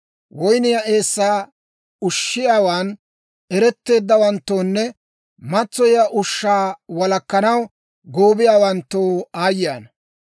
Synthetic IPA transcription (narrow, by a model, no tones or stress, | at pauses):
wɔjnɪjaʔe̞ːsːaː | ʊʃːɪjaːwaːn | ʔɛɾɛt̪ːe̞ːd̪ːɐwɐnt̪ːoːnːɛ | mɐt͡sːɔjaːʔʊʃːaːwɐlɐkːɐnɐw | ɡoːbɪjaːwɐnt̪ːoːaːjɪaːnɐ